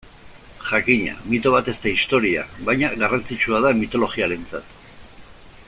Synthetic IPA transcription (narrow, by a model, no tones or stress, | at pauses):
ʝakiɲa̰mit̪o̞β̞at̪e̞st̪eist̪o̞ɾia̰βajɲaɣarant͡sit͡ʃuað̞amit̪o̞lo̞ɣiaɾe̞nt͡sat̪